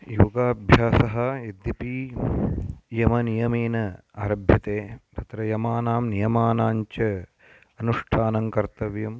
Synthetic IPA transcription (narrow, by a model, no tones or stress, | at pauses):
juɡaːbʱjaːsɐɦɐ̆ed̪ːipi | jɐmɐnijɐmeːnɐ | aːɾɐbʱjɐt̪eːt̪ɐt̪ɾɐjɐmaːnaːmnijɐmaːnaːɲt͡ʃɐ | ɐnuʂʈʰaːnɐŋkɐɾt̪ɐʋjɐm